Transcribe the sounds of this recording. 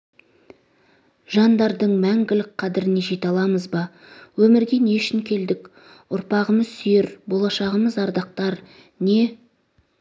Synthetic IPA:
ʒɑnd̪ɑɾd̪əɴmæŋɡʲɪlɪk̚qʰɑd̪ɪɾɪne̞ʒe̞t̪ɑlˠɑməzbɑ | wɵmɪɾɡʲe̞ne̞ʃɪŋkʲʰe̞ld̪ɪk | ʊɾpɑʁəməzsʏjeɾbo̞lˠɑʃɑʁəməzɑɾd̪ɑq̚t̪ɑɾ | ne̞

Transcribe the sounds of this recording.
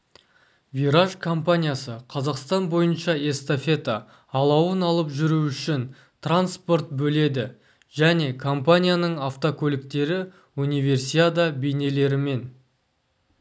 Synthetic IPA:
vʲiɾaʒkʰo̞mpanʲijasəqʰɑzɑqst̪ɑnbo̞jənʃɑe̞st̪ofʲe̞t̪aː | lˠɑwənɑlˠəpʒʏɾuʏʃɪn | t̪ʰranspo̞rt̪̚bɵle̞d̪ɪ | ʒ̥æne̞kʰo̞mpanʲijanəɴaft̪okʲʰɵlɪk̚t̪e̞ɾɪ | unijve̞rsiad̪abejne̞le̞ɾɪme̞n

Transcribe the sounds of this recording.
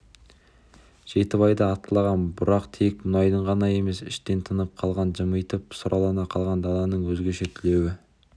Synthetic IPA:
ʒ̥e̞t̪ɪβɑjd̪ɑːt̪əlˠɑʁɑnbʊɾɑqt̪ʰek̚mʊnɑjd̪əɴʁɑnɑje̞me̞sɪ̰ʃt̪e̞nt̪ʰənəp̚qʰɑlˠʁɑnʒəməjt̪əp̚sʊɾʔɑlˠɑnɑqʰɑlˠʁɑnd̪ɑlˠɑnəɴwɵzɡʲe̞ʃet̪ʰʏle̞wɪ

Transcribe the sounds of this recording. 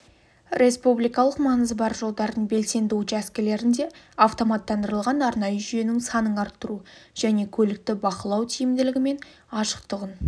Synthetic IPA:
ɾʲʔe̞spublijkɑlˠəqmɑnəzbɑɾʒo̞lˠd̪ɑɾd̪əɴbe̞lse̞nd̪ut͡ʃæskʲɪle̞ɾɪnd̪e̞ɑft̪o̞mɑt̪ːɑnd̪əɾəlˠʁɑnɑɾnɑjəʒʏje̞nɪŋsɑnəɴɑɾt̪ːəɾuʒ̥æne̞kʲʰɵlɪk̚t̪ɪbɑqəlˠɑwt̪ʰijɪmd̪ɪlɪɡʲɪme̞n | ɑʃə̥qt̪əʁən

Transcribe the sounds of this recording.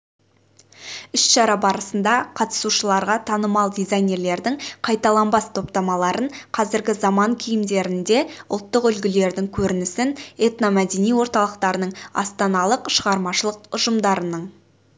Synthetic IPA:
ʏsʃɑɾɑbɑɾəsənd̪ɑqʰɑt̪ə̥suʃəlˠɑɾʁɑt̪ʰɑnəmɑlˠd̪izajne̞rle̞ɾd̪ɪŋqʰɑjt̪ɑlˠɑmbɑst̪ʰo̞pt̪ɑmɑlˠɑɾəɴqʰɑzɪɾɡʲɪzɑmɑŋkʲʰijɪmd̪e̞ɾɪnd̪e̞ʊ̰lˠt̪ːəqʏlɡʲɪle̞ɾd̪ɪŋkʲʰɵɾɪnɪsɪnet̪nomæd̪e̞nijwo̞ɾt̪ɑlˠəqt̪ɑɾənəɴɑ̰st̪ɑnɑlˠəqʃəʁɑɾmɑʃəlˠəqʊʒəmd̪ɑɾənəɴ

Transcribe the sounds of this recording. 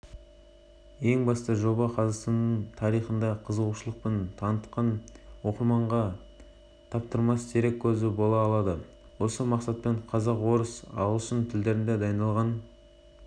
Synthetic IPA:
je̞ŋbɑst̪əʒo̞bɑqʰɑzɑst̪ɑnːəɴt̪ʰɑɾijχənd̪ɑqʰəzəluʃəlˠəq̚pent̪ʰɑnət̪qɑnwo̞qəɾmɑɴʁɑ | t̪ʰɑp̚t̪əɾmɑst̪ʰeɾe̞kʲʰːɵzɪbo̞lˠɑːlˠɑd̪ə | wo̞səmɑqsɑt̪̚pe̞ɴqʰɑzɑqwo̞ɾəsɑ̰wlˠsənt̪ʰɪld̪e̞ɾɪnd̪ed̪ɑjnɑlˠʁɑn

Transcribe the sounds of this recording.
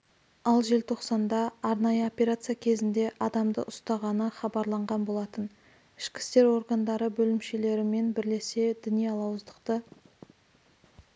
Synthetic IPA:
ɑlˠʒe̞lt̪ʰo̞qsɑnd̪ɑːɾnɑjəo̞pʲeɾat̪sɨjakʲʰe̞zɪnd̪e̞ʔɑd̪ɑmd̪ə̰ʔʊst̪ɑʁɑnəχɑbɑɾlˠɑɴʁɑnbo̞lˠɑt̪ən | ɪʃkʲɪ̥st̪e̞ɾo̞ɾɡand̪ɑɾəbɵlɪmʃe̞le̞ɾɪme̞nbɪɾle̞se̞d̪ʏnijɑlˠɑwəzd̪əqt̪ə

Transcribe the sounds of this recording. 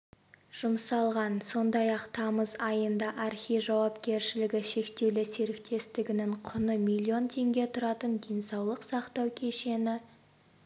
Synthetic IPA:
ʒ̥ʊmsɑlˠʁɑnso̞nd̪ɑjɑqt̪ʰɑməzɑjənd̪ɑʔɑɾχʲijʒɑwɑpkʲe̞ɾʃɪlɪɡʲɪʃe̞kt̪e̞wlɪseɾɪk̚t̪ʰe̞st̪ɪɡʲɪnɪŋqʰʊnəmilʲːio̞nt̪ʰe̞ŋɡʲe̞t̪ʰʊɾɑt̪ənd̪e̞jnsɑwlˠəqsɑqt̪ɑwkʲʰe̞ʃe̞nɪ

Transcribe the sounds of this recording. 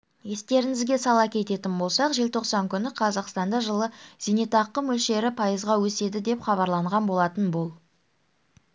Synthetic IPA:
je̞st̪e̞ɾɪŋɪzɡʲe̞sɑlˠɑkʲʰe̞t̪e̞t̪ɪnbo̞lˠsɑqʒe̞lt̪ʰo̞qsɑŋkʲʰʏnɪqʰɑzɑqst̪ɑnd̪ɑʒəlˠəz̥inet̪ɑqːəmɵlʃe̞ɾɪpʰɑjəzʁɑwɵse̞d̪ɪd̪e̞pχɑβɑɾlˠɑɴʁɑnbo̞lˠɑt̪ənbolˠ

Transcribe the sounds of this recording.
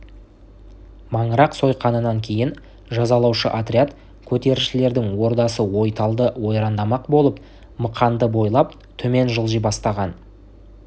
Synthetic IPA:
mɑɴəɾɑqso̞jqʰɑnənɑŋkʲʰe̞jɪn | ʒɑzɑlˠɑwʃə̰ʔat̪rʲiat̪ | kʲʰɵt̪e̞ɾɪʃɪle̞ɾd̪ɪŋwo̞ɾd̪ɑsəwo̞jt̪ɑlˠd̪əwo̞jɾɑnd̪ɑmɑqbo̞lˠəp | məqʰɑnd̪əbo̞jlˠɑp | t̪ʰɵme̞nʒəlˠʒijbɑst̪ɑʁɑn

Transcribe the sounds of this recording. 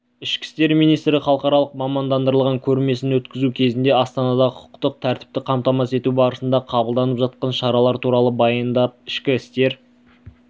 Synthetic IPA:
ɪʃkʲɪ̥st̪e̞ɾmijnijst̪ɾɪχɑlˠəqɑɾɑlˠəqmɑmɑnd̪ɑnd̪əɾəlˠʁɑŋkʲʰɵɾme̞sɪnwɵt̪kʲɪzukʲʰe̞zɪnd̪e̞ɑst̪ɑnɑd̪ɑqʰʊ̥qt̪əq̚t̪ʰæɾt̪ɪ̥p̚t̪ɪqʰɑmt̪ɑmɑse̞t̪ubɑɾəsənd̪ɑqʰɑbəlˠd̪ɑnəpʒɑt̪̚qɑnʃɑɾɑlˠɑɾt̪ʰuɾɑlˠəbɑjənd̪ɑp̚ɪʃkʲɪɪst̪e̞ɾ

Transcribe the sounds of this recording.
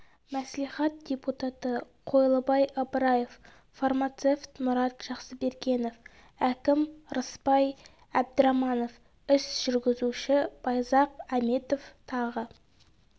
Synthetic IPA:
mæsliχɑt̪̚d̥ʲe̞put̪ɑt̪ə | qʰo̞jlˠəbɑjɑbəɾɑje̞f | farmat̪se̞ft̪mʊɾɑt̪ʒ̥ɑqsəbe̞ɾkʲe̞no̞f | ækʲɪmɾəspɑj | æb̚d̪əɾɑmɑno̞f | ɪsʒ̥ʏɾɡʲɪzuʃɪb̥ɑjzɑqæme̞t̪o̞ft̪ʰɑʁə

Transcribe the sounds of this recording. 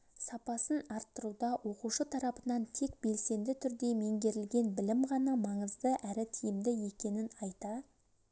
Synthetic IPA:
sɑpɑsənɑɾt̪ːəɾud̪ɑwʔo̞quʃət̪ʰɑɾɑpənɑnt̪ʰe̞k̚be̞lse̞nd̪ɪt̪ʰʏɾd̪e̞me̞ŋɡʲe̞ɾɪlɡʲe̞nbɪlɪmʁɑnɑmɑɴəzd̪əʔæɾɪt̪ʰijɪmd̪ɪje̞kʲe̞nɪnɑjt̪ɑ

